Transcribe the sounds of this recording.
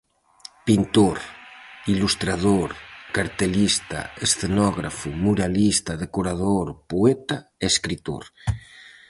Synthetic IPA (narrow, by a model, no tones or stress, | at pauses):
pint̪oɾilust̪ɾaðoɾkaɾt̪elist̪a̰esθenɔɣɾa̰fumuɾalist̪aðekoɾaðoɾpoet̪aeskɾit̪o̰ɾ